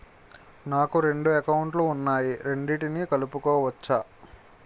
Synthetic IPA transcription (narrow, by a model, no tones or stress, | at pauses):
naːkuɾe̞ɳɖuekɐwuɳʈluːnːaːjiɾe̞ɳɖiʈinikɐlupukɔːʋɐt͡ʃːa